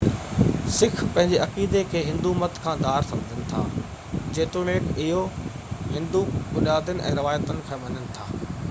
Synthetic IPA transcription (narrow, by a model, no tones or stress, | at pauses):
sɪkʰpɐ̃ɦɪ̃ɲd͡ʑeʔɐkiːd̪ekʰeːɦɪ̃nd̪umɐt̪ʰkʰãːd̪aːɾsɐmd͡ʑʱənɪ̆t̪ʰa̰ː | d͡ʑẽːt̪ʊɽ̃eːʈɪɦo | ɦɪ̃nd̪ubʊnjaːd̪ənɪ̆ʔɛ̰̃ːɾɐʋaːjət̪ənɪ̆kʰãːɓɐnənɪ̆t̪ʰaː